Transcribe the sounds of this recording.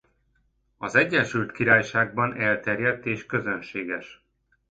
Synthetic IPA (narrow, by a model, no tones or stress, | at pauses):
ɒzɛɟːɛʃylt̪kiɾaːjʃaːɡ̚bɒnɛlt̪ɛrjɛt̪ːeːʃkø̞zønʃeːɡɛʃ